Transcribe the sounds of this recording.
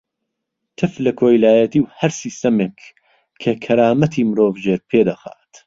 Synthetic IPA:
t̪ʰɨflɐkʰoːjlaːjɐt̪iːwhɐɾsiːst̪ɐmeːkʰː | ɐkʰɐɾaːmɐt̪ʰiːmɨɾoːvʒeːɾpʰeːd̪ɐxa̰ːt̪

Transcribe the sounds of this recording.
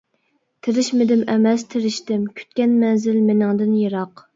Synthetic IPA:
t̪ʰɪɾɪʃmɪd̪ɪmɛmɛst̪ʰɪɾɪʃt̪ɪmkʲʰy̥t̪̚kʲɛnmɛnzɪlmɪnɪŋd̪ɨnjeɾɑq

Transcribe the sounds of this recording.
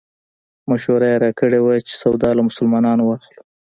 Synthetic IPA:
maʃoɾajeɾɑkəɽewat͡ʃe̥sawd̪ɑlamʊsəlmɑnɑnowɑxlu̥

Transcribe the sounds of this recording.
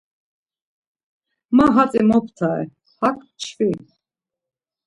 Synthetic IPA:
maɦat͡sʼimɔpʰt̪ʰaɛ̰ | hakʰʼ | t͡ʃʰfi

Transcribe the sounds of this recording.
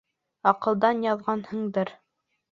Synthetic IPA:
ɑqɤ̆lˠd̪ɑnjɑðʁɑnhɤɴd̪ɤɾ

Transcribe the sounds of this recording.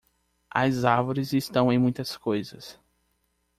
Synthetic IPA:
ɐ̰zaɾvoɾɪzist̪ɐ̃w̃ẽj̃mũj̃t̪ɐskojzɐ̰s

